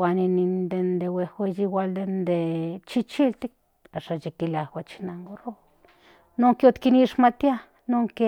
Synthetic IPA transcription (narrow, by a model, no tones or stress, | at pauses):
aninind̪end̪ewewejiwald̪end̪et͡ʃit͡ʃilt̪ik̚ | aʃat͡ʃikilawat͡ʃi̥naŋɡoro | noŋkot̪kiniʃmat̪ja | noŋke